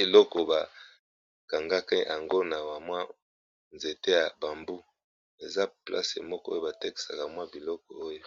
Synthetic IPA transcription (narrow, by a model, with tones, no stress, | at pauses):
i˨lɔ˦kɔ˨ba˨ | ka˨ŋɡa˦ke˦ja˨ŋɡo˦na˨wa˨mwa˦ | nze˨te˦ja˨ba˨mbu˦ | e˨za˦pla̰˦sḛ˨mɔ˦kɔ˦o˦jo˦ba˨te˦ki̥˨sa˨ka˨mwa˦bi˨lɔ˦kɔ˨o˦jo˦